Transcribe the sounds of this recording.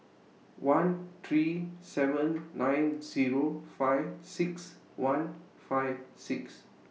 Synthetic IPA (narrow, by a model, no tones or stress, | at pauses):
wãnt̪ʰɹisɛvə̃nːãj̃nziɹofaɪvsiks | wãn | faɪvsiks